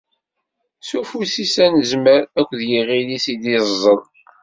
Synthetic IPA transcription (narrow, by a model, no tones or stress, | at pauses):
sufusisænəzməɾækʷːðjiʁilisid̪izˤːəðˤ